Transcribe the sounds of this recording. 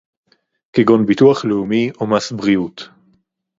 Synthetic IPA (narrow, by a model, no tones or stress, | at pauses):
kiɡonbituaχleumiʔomasbʁiut̪